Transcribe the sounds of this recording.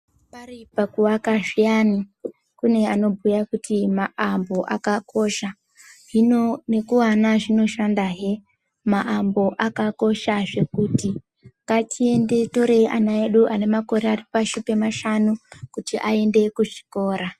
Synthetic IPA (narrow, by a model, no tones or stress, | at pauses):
paripakuwakaʐijani | kune̞ano̞bʱujakutʰimaʔambo̞ʔakakʰo̞ʃa | ʐine̞kuwanaʐino̞ʃandaɦe̞ | maʔambo̞ʔakako̞ʃaʐe̞kuti | kat͡ʃie̞nde̞to̞ɾeʔanae̞ɗuʔane̞mako̞ɾearipaʃupe̞maʃanukutiʔae̞nde̞kuʐi̥ko̞ːɾa